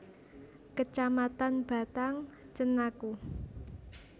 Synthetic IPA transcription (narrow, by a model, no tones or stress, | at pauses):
kət͡ʃamat̪anb̥a̤t̪aŋ | t͡ʃənaku